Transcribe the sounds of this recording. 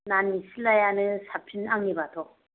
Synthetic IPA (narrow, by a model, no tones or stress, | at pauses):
nanisʰilːajanɯsʰapʰinaŋːibat̪ʰo